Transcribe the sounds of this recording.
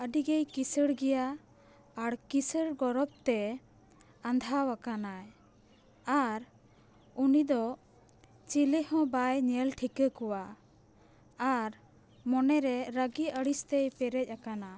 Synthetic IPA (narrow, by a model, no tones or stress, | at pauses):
əɖiɡejkisəɽɡɛjaː | ɽkisəɽɡɔɾɔp̚t̪ɛ | and̪ʱawakanaj | aɾ | unid̪ɔ | t͡ʃilihɔ̃bajɲɛlʈʰikəkɔwa | aɾ | mɔnɛɾɛɾəɡiəɽist̪ɛjpɛɾɛc̚ˀakana